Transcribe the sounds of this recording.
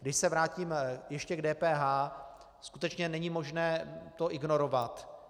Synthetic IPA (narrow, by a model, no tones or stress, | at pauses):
ɡdɪʃsɛvɾaːciːmjɛʃcɛɡdɛːpɛːɦaː | skut̪ɛt͡ʃɲɛnɛɲimo̞ʒnɛːt̪o̞ʔɪɡno̞ɾo̞vat̪